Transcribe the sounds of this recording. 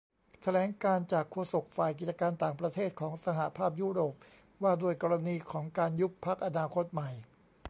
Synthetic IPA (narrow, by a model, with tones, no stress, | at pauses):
t̪ʰa˧lɛː˩˦ŋkaː˧nt͡ɕaː˨˩kʰːu˧so˨˩k̚faː˨˩jki˨˩t̪̚t͡ɕa˧kaː˧nt̪aː˨˩ŋpɾa˧t̪ʰeː˥˩t̪̚kʰɔː˩˦ŋsa˧ɦa˨˩pʰaː˥˩p̚juː˦˥ɾoː˨˩p̚ | waː˥˩du˥˩əjkɔː˧ɾa˧niː˧kʰɔː˩˦ŋkaː˧nju˦˥pʰːa˦˥k̚ʔa˧naː˧kʰo˦˥t̪̚ma˨˩j